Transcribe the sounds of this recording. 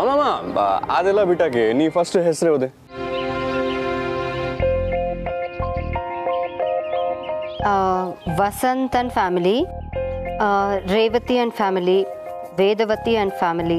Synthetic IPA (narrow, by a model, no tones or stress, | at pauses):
ɐmamaa̰ːd̪elabiːʈakenifʰɐsʈɨɦesɾeɦod̪e | ʋɐsɐnt̪ɐnfʰaːmili | ɾeːʋɐt̪iɐnɖfʰaːmili | ʋeːd̪ɐʋɐt̪iɐnɖfʰaːmili